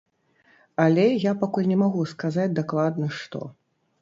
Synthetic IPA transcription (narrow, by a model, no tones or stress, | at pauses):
alʲɛjapakulʲnʲɛmaɣuskazat͡sʲd̪aklˠad̪nɐʂt̪ɔ̰